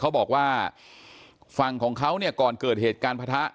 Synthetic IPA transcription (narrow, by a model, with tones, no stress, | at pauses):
kʰa˦˥wbɔː˨˩k̚waː˥˩ | fa˧ŋkʰɔː˩˦ŋkʰa˦˥wni˥˩ɐkɔː˨˩nkɤː˨˩t̪̚heː˨˩t̪̚kaː˧npʰa˧t̪ʰa˦˥ʔ